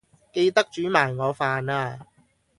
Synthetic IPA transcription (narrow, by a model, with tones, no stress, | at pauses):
ke˧jt̪ɐ˥k̚t͡ʃyː˨˥maː˨˩jŋɔː˨˧faː˨naː˧